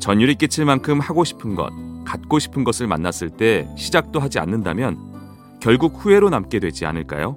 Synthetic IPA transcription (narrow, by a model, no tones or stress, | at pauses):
t͡ɕʌɲjuɾik͈et͡ɕʰiɭmankʰɯmhaɡoɕʰi̥pʰɯnɡʌ̰t̚kat̚k͈oɕʰi̥pʰɯnɡʌsʰɯɭma̰nːas͈ɯɭt͈e̞ɕʰid͡ʑak̚t͈oɦad͡ʑia̰nːɯnda̰mjʌn | kjʌɭɡuk̚hue̞ɾonamk͈e̞dwe̞d͡ʑia̰nɯɭk͈a̰jo